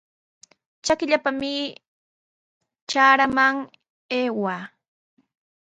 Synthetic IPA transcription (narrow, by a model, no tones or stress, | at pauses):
t͡ʃakɪʎapamɪ | t͡ʃaːɾamaŋ | eːwa